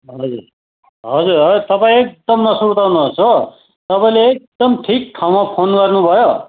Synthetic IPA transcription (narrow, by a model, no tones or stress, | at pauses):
ɦʌd͡zuɾ | ɦʌd͡zuɾʌt̪ʌpaĩek̚d̪ʌmnʌsuɾt̪awnuɦosʰo | t̪ʌpaĩleek̚d̪̥ʌmʈʰik̚ʈʰawmapʰonɡʌrnubʱʌjo